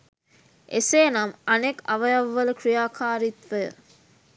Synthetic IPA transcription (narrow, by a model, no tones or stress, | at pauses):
ʔeseːnɐmɐnekɐʋɐjɐʋːɐləkɾijaːkʰaːɾit̪ʋəjə̰